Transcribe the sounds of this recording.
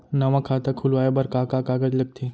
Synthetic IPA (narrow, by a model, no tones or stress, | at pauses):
nɐʋãkʰaːt̪akʰʊlʋaːjebɐɾkakakaːɡəd͡ʒlɐɡ̚t̪ʰeː